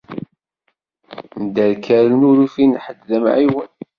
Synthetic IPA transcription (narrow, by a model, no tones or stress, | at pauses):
md̪æɾkæɾənuɾufinħəd̪ːəmʕiwən